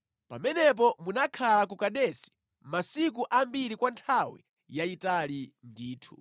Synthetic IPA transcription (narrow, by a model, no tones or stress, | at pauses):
pa̰mɛnɛp̬ɔmunakʰalakukaɗɛsi̥ | masik̬uʔambiɾikwantʰawḭ | jaitalindiːtʰu̥̰